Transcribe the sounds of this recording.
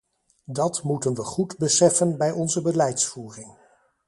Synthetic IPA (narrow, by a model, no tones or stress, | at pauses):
dɑtmutənʋəχudbəsɛfənbɛjʔɔnzəbəlɛjtsfuːrɪŋ